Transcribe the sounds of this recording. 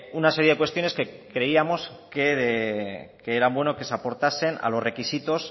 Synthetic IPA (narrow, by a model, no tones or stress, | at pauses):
unase̞ɾje̞ð̞ekwest̪jo̞ne̞ske̞kɾe̞iamo̞skeðekeeɾambwenoke̞sapo̞ɾt̪ase̞na̰lo̞zre̞kisit̪o̞s